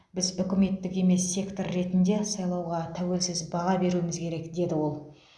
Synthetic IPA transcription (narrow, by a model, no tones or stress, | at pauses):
bɪzʏkʲɪme̞t̪ːɪke̞me̞sːe̞kt̪o̞rːe̞t̪ɪnd̪e̞sɑjlˠɑwʁɑt̪ʰæwe̞lsɪzbɑʁɑbe̞ɾuɪmɪzkʲʰe̞ɾe̞kd̪e̞d̪ɪwo̞lˠ